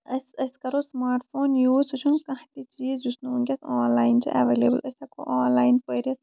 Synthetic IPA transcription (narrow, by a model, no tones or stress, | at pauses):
ɐsɐskɐɾosmaːɾʈfʰoːnjuːzsut͡ʃʰunkɐ̃ɦt̪it͡ʃiːzd͡ʒusnuunkʲɐsɔːnlaːint͡ʃḭʔɐ̰ʋeːlḛːbɨ̰lʔɐsɐko̰ʔaːnlaːjinpəɾiɐ